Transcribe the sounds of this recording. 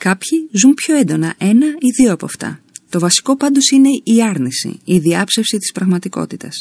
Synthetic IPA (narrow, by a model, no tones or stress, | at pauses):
kɐpçizumpço̞e̞nd̪o̞nɐ̰ʔe̞nɐiðio̞ɐpo̞ɐft̪ɐ̰ | t̪o̞vɐsi̥ko̞pɐnd̪o̞sine̞iɐɾnisḭiðiɐpse̞fsit̪i̥spɾɐɣmɐt̪iko̞̰t̪it̪ɐs